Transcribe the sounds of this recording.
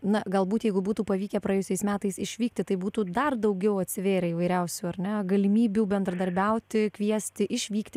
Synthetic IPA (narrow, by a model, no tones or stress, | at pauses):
nɐɡɐlˠbuːt̪jɛɪɡʊbuːt̪uːpɐʋʲiːkʲɛpɾɐeːjʊsʲɛɪsmʲæːt̪ɐɪsɪʃʲʋʲiːk̚t̪ʲɪt̪ɐɪbuːt̪uːd̪ɐrd̪ɐʊɡʲɛʊɐt̪ʲsʲɪʋʲeːɾʲɛiʋɐɪɾʲɛʊsʲuːɐrʲnʲɛɡɐlʲɪmʲiːbʲuːbʲɛnd̪ɾɐd̪ɐɾʲbʲɛʊt̪ʲɪkʋʲiɛsʲt̪ʲɪʔɪʃʲʋʲiːkt̪ʲɪ